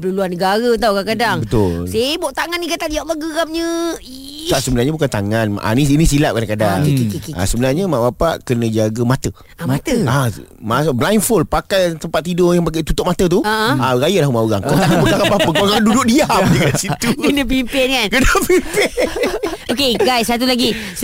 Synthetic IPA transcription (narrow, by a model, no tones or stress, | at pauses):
pəluluanːəɡaɾət̪awkakadaŋbət̪ʊlssabɔʔt̪aŋanːikat̪adiaʔmaɡəɣamɲə | k̪aʔsəbənaɾɲabukant̪aŋanʔa̰niːnisilaʔ̚kadaŋkadaŋkikikia̰səbənarɲəmaʔbapa̰ʔkənə̃d͡ʒaɡəmat̪ə | amat̪əamasblajnfolpakajt̪əmpat̪ːidojaŋpak̬ajt̪ut̪ʊʔ̚mat̪ət̪̬uəʔə̃aɾajəlaɦumaoɣa̰ŋkat̪aʔpəɡ̪akabappəpaɾaŋdudʊʔ̚diamməkasit̪uknãp̬impɪnkankənapimpɪ | okeɡajsːat̪̬ulaɡi